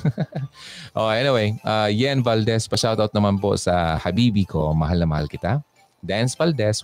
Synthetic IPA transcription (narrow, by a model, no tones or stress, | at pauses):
ʔoʔɛnɪwejʔajɛnvald̪ɛspɐʃawt̪awt̪̚nɐmanpo̰sɐhɐbiːbikʰomɐ̰ɦalnɐmɐha̰lkɪt̪a | d̪ansvald̪ɛs